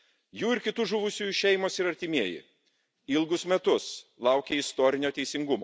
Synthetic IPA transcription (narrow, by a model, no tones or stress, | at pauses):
juːɪɾkʲɪt̪ʊʒʊʋʊsʲujʊʃʲɛɪmoːsɪɾɐɾʲt̪ʲɪmʲiɛjɪ̰ | ɪlˠɡʊsmʲɛt̪ʊslˠɐʊkʲeɪst̪ɔːɾʲɪnʲoːt̪ʲɛɪsʲɪŋɡʊmo̰ː